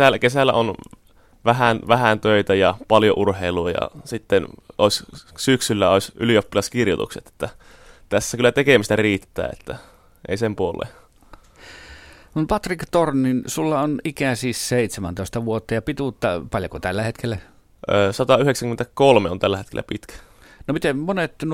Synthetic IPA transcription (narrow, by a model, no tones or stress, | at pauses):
ælːækesælːæ̰ʔon | ʋæhænʋæhænt̪øˑit̪æjɑpɑljo̰ʔurheiluɑjɑ̰sit̪ːenoˑissyksylːæoˑisyliopːilɑskirjot̪ṵkset̪e̥t̪ːæ | t̪æsːækylːˑæt̪ekemist̪æriːt̪ːæ̰ːḛt̪ːæ | ʔḛˑisempuolːḛ | numpɑt̪rikt̪ornːinsulːɑonikæsisseit̪semæ̰nt̪oˑest̪ɑʋuot̪ːɑjɑpit̪ut̪ːɑpɑljokot̪ælːæhet̪kʰelːæ | ʔøːsɑt̪ɑyheksæŋkyment̪ækolmeont̪ælːæet̪kḛlːæ̰pit̪kæ̥ | nomit̪emmonet̪n